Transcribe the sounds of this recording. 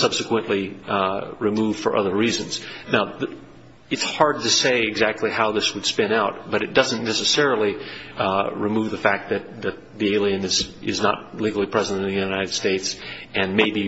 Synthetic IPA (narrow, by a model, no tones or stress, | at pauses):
sʌb̥sɨkwə̃nʔli | ɹɨmuv̥fə̰˞ʔʌ̰ðə˞ɹizɨ̃nz̥naʊð | ɨtshɑɹd̚tɨseɪɨɡzæk̚tʰˡlihaʊðɪswəd̥spɛ̃naʊt̚b̥ʌɾɨt̚d̥ʌzɨ̃n̩ːɛsɨsɛɹl̩ˠi | ɹɨmuvðɨfæk̚t̪̚ðɨt̪̚ðɨt̪̚ðieɪlˠiɨ̃nɨsɪznə̰t̚liɡl̩ˠipʰɹ̥ɛzɨɾɨ̃ñtɨn̩ðɨjʉnaɪɾɨd̥steɪtsɨ̃nmeɪbi